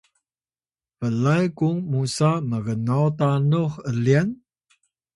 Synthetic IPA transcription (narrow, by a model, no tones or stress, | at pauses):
pəlajkuŋmusaməɡənawtanuxəlian